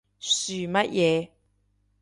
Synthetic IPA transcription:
syː˨mɐ˦˥t̚jɛː˨˧

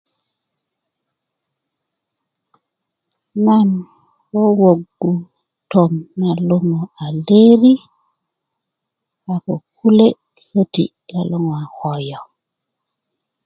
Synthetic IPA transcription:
na˦n | wo˦wo˨ɡːu˨ | to˨mna˨lo˦ŋo˨a˨le˦ɾi˦ | a˨ko˨ku˦le˦ | sə˦tḭ˨ | la˨lo˦ŋ˨a˨hɔ˨jɔ˨

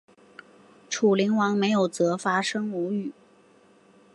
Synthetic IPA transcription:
ʈ͡ʂʰu˨˩li˧˥ŋwɑ˧˥ŋme˧˥ɪjo˨˩ʊt͡sɤ˧˥fa˥ʂɤ˥ŋu˧˥y˨˩

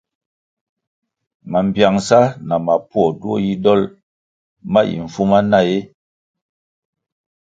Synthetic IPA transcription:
ma˨m̩˨bja˨ŋsa˦na˨ma˨pwɔ˨du˦o˦ji˦dɔ˦l | ma˦ʔḭ˨ɱ̩˨fu˦ma˦na˦˨je˦

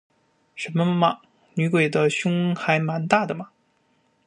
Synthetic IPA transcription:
ʂə˧˥nmə˧mɐ˧mɐ˨ | ny˧˥kwe˨˩d̪ə˦ɕjʊ˥ŋxa˧˥ɪma˧˥nt̪a˥˩d̪ə˩mɐ˩

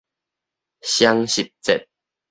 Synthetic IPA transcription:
ɕja˦ŋɕi˨˩p̚t͡sɛ˨t̚

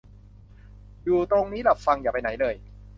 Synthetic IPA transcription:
juː˨˩t̪ɾo˧ŋniː˦˥la˨˩p̚fa˧ŋjaː˨˩pa˧jna˩˦jlɤː˧j

